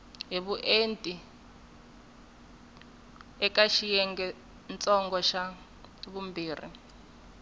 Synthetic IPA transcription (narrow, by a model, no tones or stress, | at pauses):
ɦiβuʔentʼi | ɛkaʃijɛŋɡɛ | nt͡sʼɔŋɡɔʃa | βumbiːrḭ